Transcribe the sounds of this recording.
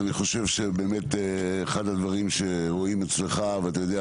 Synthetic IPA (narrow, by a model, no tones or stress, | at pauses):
niχoʃe̞vʃe̞beːme̞t̪ː | χad̪ad̪vaʁimʃe̞hoimet͡sleχaveat̪ajod̪e